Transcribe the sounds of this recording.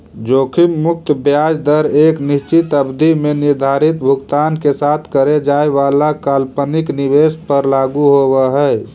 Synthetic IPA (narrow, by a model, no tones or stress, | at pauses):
d͡ʒokʰimmʊk̚t̪bjad͡ʒd̪əɾeknist͡ʃit̪əbd̪ʱimeniɾd̪ʱaɾit̪bʱuɡt̪ankesat̪ʰkəɾed͡ʒaeʋalakalpəniknibespəɾlaɡuɦoβɛɦɛj